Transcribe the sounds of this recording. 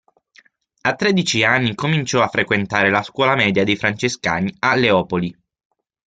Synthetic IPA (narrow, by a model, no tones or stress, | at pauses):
at̪ːɾɛd̪it͡ʃianːikomint͡ʃɔafːɾekwent̪aːɾelaskwɔːlamɛːd̪jad̪ejfɾant͡ʃeska̰ːnialeɔːpoli